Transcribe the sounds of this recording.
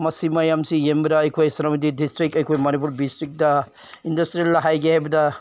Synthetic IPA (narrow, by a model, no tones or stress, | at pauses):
mɐsimɐjamsijembiɾɐːjkʰojsɐɾɐmɐdidistɾik̚ɐjkʰojmɐnip̬uɾdistɾik̚dɐ | indɐstɾieldɐɦajɡihajbɐdɐ